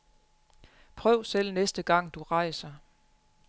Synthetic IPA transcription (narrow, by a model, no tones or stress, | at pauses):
pʰʁœʊ̰sel̰nesd̥əɡ̥ɑ̈ŋ̰d̥uʁɑ̈ɪsɐ